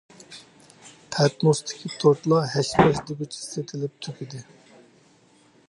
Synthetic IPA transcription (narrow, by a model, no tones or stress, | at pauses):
t̪ʰɛt̪nost̪ʰɪ̥kʲʰit̪ʰoɾt̪lˠɑɦɛʃpʰɛʃd̪ebɪt͡ʃʰi̥set̪ʰɪlɪp̚t̪ʰykʲʰid̪ɪ